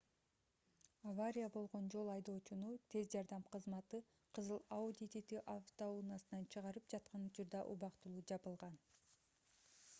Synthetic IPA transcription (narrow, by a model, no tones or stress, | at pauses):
avaɾʲijabo̞lˠʁo̞nd͡ʒo̞lˠɑjd̪o̞ːt͡ʃunut̪ʰe̞zd͡ʒɑɾd̪ɑmqʰɯzmɑt̪ɯ | qʰɯzɯlˠaud̪ʲit̪ʲit̪iʔaft̪ounɑsɯnɑnt͡ʃʰɯʁɑɾɯpd͡ʒɑt̪̚qɑnut͡ʃuɾd̪ɑʔubɑqt̪ulˠuːd͡ʒɑbɯlˠʁɑn